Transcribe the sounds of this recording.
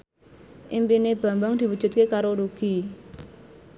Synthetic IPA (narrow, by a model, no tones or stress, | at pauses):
ʔimpineb̥ä̤mbaŋd̪̥i̤wud̥ʒ̥ṳt̪̚kekaɾoɾuɡ̥i̤